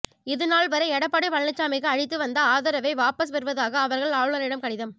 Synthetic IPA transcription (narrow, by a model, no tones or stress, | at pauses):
ɪðɐnaːlʋɐɾɐɛɽɐpːɐɽɐɪʋɐɭnɪt͡ʃːaːmɪɣɐɐɻɪt̪ːɯʋɐnd̪ɐaːðɐɾɐʋɐɪʋaːpɐs̬pɛɾɯʋɐðaːɣɐːʋɐɾɣɐɭaːʋɯɭɐnɪɽɐmkɐɽɪðɐm